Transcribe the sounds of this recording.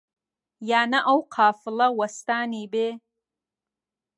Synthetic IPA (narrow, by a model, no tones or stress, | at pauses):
jaːnaʔawqʰaːfɨlɐwastaːniːbeː